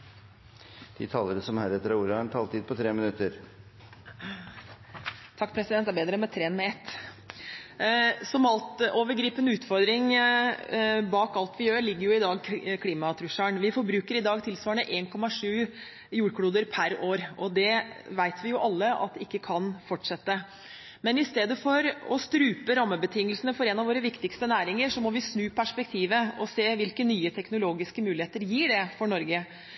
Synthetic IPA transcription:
d̪̥ɪ̰t̪ʰɑːləɾəsɔmhæːɾɛt̪əɾɑuːɾɑɳt̪ʰɑːlt̪ʰiːd̪̚pʰɔt̪ʰɾeːmɪnʉt̪ːəɾ | t̪ʰɑk̚ːpʰɾɛsɪd̪ɛnt̪æɾbeːd̪ɾəmɛt̪ʰɾeːnmɛɛt̪ː | sɔmɑlt̪oːʋəɾɡɾiːpənʉːt̪fɔɾd̪ɾɪŋ | bɑːkɑlt̪ʰʋɪjøːɾɭɪɡːəɾjʊɪd̪ɑːɡkʰliːmɑt̪ʰɾʉʂæɳʋɪfɔɾbɾʉːkəɾɪd̪ɑːɡt̪ʰɪlsʋɑːɳəʔeːnkʰɔmɑʂʉː | juːɽkʰlɽuːd̪əɾpʰæɾoːɾʔɔd̪ɛʋæɪt̪ʰʋɪjʊʔɑlːəʔɑ̰t̪ɪkːəkʰɑnfɔʈʂɛt̪ːə | mɛnɪst̪eːd̪əfɔɾɔ̰st̪ɾʉːpəɾɑmːəbət̪ʰɪŋːəlsənəfɔɾɛnɑʋoːɾəʋɪkt̪ɪkst̪ənæːɾɪŋəɾʂɔmɔʋɪsnʉːpʰæʂpɛk̚t̪ʰiːʋəɔseːʋɪlkənyːət̪ʰɛknʊloːɡɪskəmʉːlɪheːt̪əɾjiːɖɛfɔɳɔɾɡə

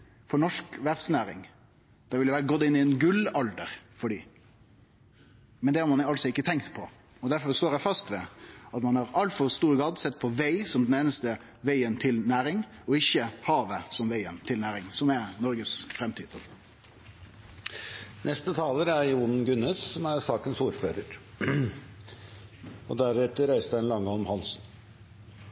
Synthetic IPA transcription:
fɔɾɳɔʂkʋæɾsnæːɾɪ̰ŋ | d̪̥ɛʋɪljəʋæːɾəɡɔt̪ːɪnːɪɛnɡʉlɑld̪əɾfɔɖiː | mɛnd̪ɛhɑɾmɑnɑlsɔɪkːət̪ʰɛŋkt̪pʰɔ | ɔd̪æɾfɔɾst̪oːɾæfɑst̪ʋɛ̰ɑt̪mɑnhɑɾɑlt̪fɔɾst̪uːɾɡɑd̪sɛt̪̚ːpʰɔʋæɪsɔmd̪ɛneːnəst̪ə | ʋæɪənt̪ʰɪlnæːɾɪŋ | ɔɪçːəhɑːʋəsɔmʋæɪənt̪ʰɪlnæːɾɪŋsɔmɛnɔɾɡəsfɾɛmt̪ʰiːd̪ | nʔɛst̪ət̪ʰɑːləɾæɾjuːnn̩ɡʉnɛssɔmæɾsɑːkənsuːɾføːɾəɾ | ɔd̪æɾɛt̪əɾæɪst̪æɪnlɑŋːəɔmhɑlsn

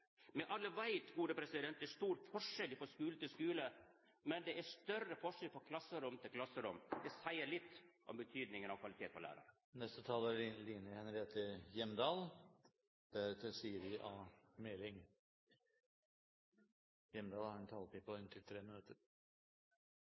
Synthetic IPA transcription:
mɛʔɑlːəʋæɪt̪ɡuːd̪əpʰɾɛsɪd̪ɛnt̪̚d̪ɛæʂt̪uːɾfɔʂɛlːɪfɔʂkʉːlət̪ɪlskʉːlə | mɛnd̪ɛʔæʂt̪œrəfɔʂɛlfɔɾkʰlɑsəɾʊmt̪ʰɪlkʰlɑsːəɾʊmd̪ɛsæɪəɭɪt̪ːʔɔ̰mbət̪ʰyːd̪nɪŋənɑʋkʰʋɑlɪt̪ʰeːt̪pʰɔlæ̰ːɾɑ̰ɾ | nɛst̪ət̪ʰɑːləɾliːnəhɛnəɾheːt̪ʰəjɛmd̪ɑːl | d̪̥æɾt̪ʰəsiːəɾʋɪʔɑmɛlɪŋ | jɛmd̪ɑːlhæɾɛnt̪ʰɑːlpʰɪpɔɪnt̪ʰɪlt̪ʰɾeːmənʉt̪ːəɾ

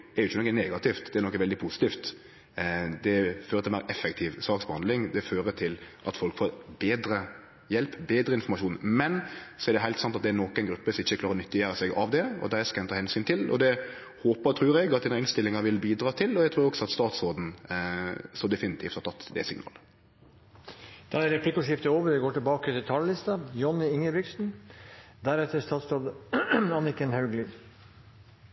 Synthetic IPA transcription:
ɛɾjʊɪçːənɔkːənɛːɡɑt̪ɪft̪d̪ɛɾnɔkːəʋɛld̪ɪpʰusɪ̥t̪iːft̪ | d̪ɛføːɾət̪ɪlmæɪɾʔɛfːɛk̚t̪ʰiːʋsɑːksbəhɑnd̪lɪŋd̪ɛføːɾət̪ʰɪlʔɑt̪fɔlkfoːɾbeːd̪ɾə | jɛlpbeːd̪ɾəɪnfɔɾmɑʃʂuːnmɛnsɔɛɾdɖ̪ɛɦæɪt̪sɑnt̪ɑt̪̚d̪ɛɾnɔkːɛɪnɡɾʉpːəsɔmɪçːəklɑːɾəɾnʏt̪ːəjæːɾəsɛɡɑ̰ʋd̪ɛɔ̰d̪æskɑɛnt̪ʰɑːhɛnsyːnt̪ʰɪlɔ̰d̪ɛ | hoːpəɾt̪ʰɾʉːɾɛɡɑt̪d̪ɪnəɾɪnst̪ɪlːɪŋɑɾʋɪlbiːd̪ɾɑːt̪ʰɪlɔɛɡ̚t̪ʰɾʉːɾɔksɔɑt̪st̪ɑːt̪soːd̪n̩ | sɔd̪ɛfɪnɪt̪ʰiːft̪hɑɾt̪ɑt̪ːd̪ɛ̰sɪŋnɑ̰ːlə | d̪̥ɑæɾɛpʰlɪkːɔʂɪft̪əoːʋəɖɛɡoːʈɪlbɑːkət̪ɪlt̪ʰɑləlɪst̪ɑjɔnːɪɪŋːəbɪksn̩ | d̪æɾɛt̪əst̪ɑːt̪soːd̪ɑnɪkənhɑʉɡlɪ

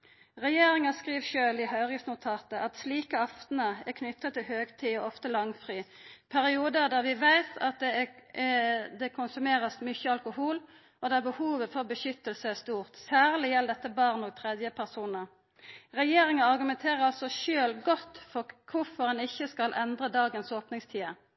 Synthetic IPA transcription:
ʁɛjeːɾɪŋɑskʁiːʋʃøːlɪhœʏʁɪsnʊt̪ʰɑːt̪əʔɑt̪sliːkəɑft̪n̩əækʰnʏt̪ːət̪ʰːɪlhøːɡt̪ʰiːɔɔft̪əlɑŋfʁiːpʰæɾɪuːd̪əd̪æːʁʋɪʋæɪt̪ʰɑt̪̚d̪ɛ | d̪ɛkʰʊnsʉmeːʁəsmʏçəɑlkʊhuːl | ɔd̪ɛæbəhuːʋəfɔʁbəʃʏt̪ːəlsəæʁst̪uːʁt̪sæːʁlɪjɛld̪ɛt̪ːəbɑːʁnɔːɡ̚t̪ʰʁɛd̪jəpʰæʁsuːnə | ʁɛjeːɾɪŋəɑʁɡʉmɛnt̪ʰeːʁəɾɑlsɔʃøːlɡɔt̪ːfɔkʰʊfɔɾɛnɪçːəskɑlʔɛnd̪ʁəd̪ɑːɡənsoːpnɪŋst̪ʰiːə

